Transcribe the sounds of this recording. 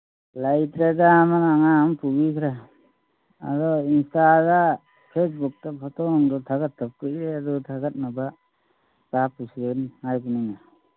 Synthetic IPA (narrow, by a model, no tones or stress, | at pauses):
lajtɾedamanaŋampubikʰɾa | a̰ɾɔinstaɡa | pʰes̬buk̚tapʰɔtɔnɔŋdɔt̪ʰaɡat̚ʰːap̚kɯʔɾɛadɔtʰaɡat̚naba | kapusɾenŋajbuniŋa